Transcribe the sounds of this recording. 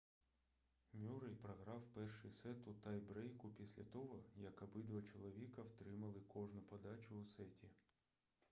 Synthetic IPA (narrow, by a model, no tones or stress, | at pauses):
mʲuɾɐjpɾɐɦɾɑwpɛrʃɪjsɛt̪ʊt̪ɑjbɾɛjkʊpʲisʲlʲɐt̪ɔɦɔjɐkɐbɪd̪ʋɐt͡ʃɔlˠɔʋʲikɐwt̪ɾɪmɐlˠɪkɔʒnʊpɔd̪ɑt͡ʃʊːsɛtʲi